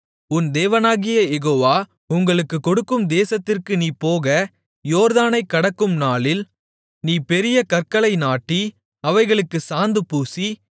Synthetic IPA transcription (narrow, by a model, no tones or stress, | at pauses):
ʊnd̪eːʋɐnaːɣɪjɐjɛɣoːʋaː | ʊŋɡɐɭɯkːɯkːɔɽɯkːɯmd̪eːsɐt̪ːɪrkɯniːpoːɣɐ | joːɾðaːnɐɪkːɐɽɐkːɯmnaːɭɪl | niːpɛɾɪjɐkɐrkɐɭɐɪnaːʈːi | ɐʋɐɪɣɐɭɯkːɯsaːnd̪ɯpuːsi